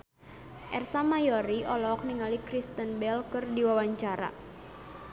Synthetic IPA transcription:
ʔɛrsamajɔɾiʔɔlɔk̚niŋalikɾist̪ənbɛlkɨrdiwawaɲt͡ʃaɾa̰

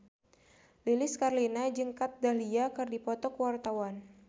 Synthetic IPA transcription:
lilɪskarlinad͡ʒɨŋkat̪̚daliakɨrdipɔt̪ɔkwart̪awan

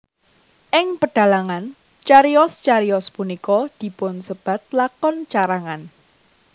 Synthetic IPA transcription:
ʔɪŋpəɖ̥ä̤laŋan | t͡ʃaɾiɔst͡ʃaɾiɔspunikɔd̪̥i̤pʊnsəb̥ä̤t̪̚lakɔnt͡ʃaɾaŋan

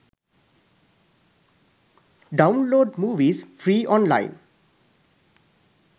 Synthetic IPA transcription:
ɖãʊ̃nloːɖmuːʋizfʰɾiːʔɔ̃nla̰ɪ̃n

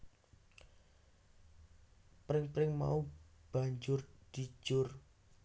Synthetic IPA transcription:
pɾɪŋpɾɪŋma̰ub̥a̤ɲd͡ʒʊrd̪̥i̤̥ʒ̥ʊr

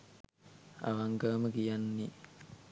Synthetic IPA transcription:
a̰ʋaŋɡəʋməkijanːe

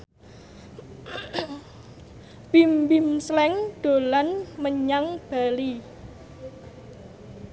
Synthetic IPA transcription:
b̥imbimslɛŋd̪̥o̤lanməɲaŋb̥a̤li

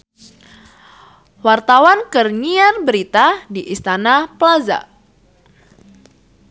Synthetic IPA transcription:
wart̪awankərɲiarbəɾit̪adiʔist̪anaplaza̰

